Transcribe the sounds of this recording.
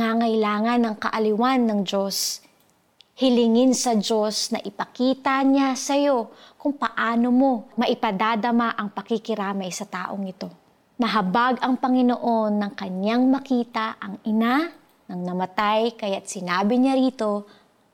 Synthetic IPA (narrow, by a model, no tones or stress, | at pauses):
ŋaŋɐjlaːŋɐnːɐŋkɐ̰ʔɐlɪwanːɐŋd͡ʒo̞s | hɪlɪŋɪnsɐd͡ʒo̞snɐ̰ʔɪpɐkiːt̪ɐɲasɐjo̞kʊŋpɐʔaːno̞mo̞mɐʔɪpɐd̪ad̪ɐmaʔɐŋpɐkɪkɪɾaːmɐjsɐt̪a̰ːʔoŋɪt̪o̞ | nɐɦɐbaɡʔɐŋpɐŋɪnoʔo̞nːɐŋkɐɲaŋmɐkiːt̪aʔɐŋʔɪna | nɐŋnɐmɐt̪ajkɐjat̪̚sɪnaːbɪɲaɾiːt̪o̞